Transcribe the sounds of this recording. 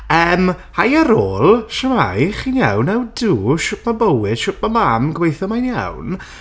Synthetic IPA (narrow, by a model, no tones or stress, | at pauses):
əːmhajəɾoːlˠʃəma̰jχinjawnawduːʃʊp̚ʰmabəwɪd̥ʃʊp̚mamamɡwejθɔmajnja̰wn